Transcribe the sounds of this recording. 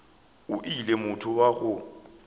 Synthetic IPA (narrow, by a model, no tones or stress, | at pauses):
ʊʔilemʊtʰʊwaɣʊ